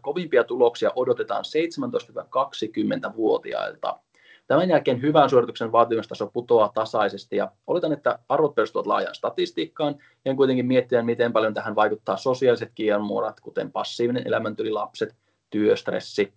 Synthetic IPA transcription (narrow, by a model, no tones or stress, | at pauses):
ko̞ʋimpiɑt̪ulo̞ksiɑ̰ʔo̞do̞t̪e̞t̪ɑ̰ːnse̞jt̪semænt̪oist̪yɑkɑksikymːe̞nt̪æʋuo̞t̪ḭɑ̰ilt̪ɑ̰ | t̪æmænjælke̞ːnɦyʋæːnsuorit̪ukse̞nʋɑːt̪imest̪ɑsoput̪o̞ɑt̪ɑsɑise̞st̪ijɑ̰ʔolot̪ɑnet̪ːæɑrʋot̪pørst̪uʋɑt̪lɑ̰ːjɑ̰ːnst̪ɑt̪ist̪iːkːɑːn | eŋkujt̪eŋkimiet̪ːiæmit̪e̞mpɑljont̪æɦænʋɑjkut̪ːɑːso̞siɑlise̞t̪k̟iermuɾɑt̪kut̪e̞̰mpɑsːiːʋinenʔḛlæmænt̪ylilɑpse̞t̪ | t̪yøst̪rḛsːi